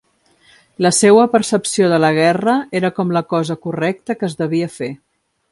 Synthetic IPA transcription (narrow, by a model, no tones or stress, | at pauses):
ləsewəpəɾsəpsioðələɣ̞ɛrəeɾəkɔmləkɔzəkurɛk̚t̪əkəzd̪əβ̞iəfe